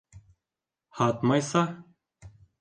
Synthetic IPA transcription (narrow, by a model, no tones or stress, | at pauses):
hɑt̪mɑjsɑ